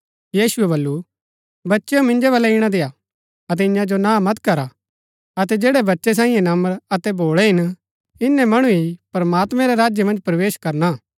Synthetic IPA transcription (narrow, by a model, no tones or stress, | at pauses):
jiːsʊɛβɐlːu | bɐtːʃeõmɪ̃ɲd͡ʒeβɐlɛɪɽ̃ad̪eːa | ɐt̪̬ɛɪ̃ɲãd͡ʒonãːmɐt̪kɐɾa | ɐt̪̬ɛd͡ʒeːɽɛbɐtːʃes̬ãːĩjẽnɐməɾɐt̪ɛboːɭɛɦɪn | ɪnːɛmɐɽ̃uipɾmaːt̪mɛ̃ɾɛɾaːd͡ʒjemɐ̃nd͡ʒpɾɐʋeːʃkɐɾna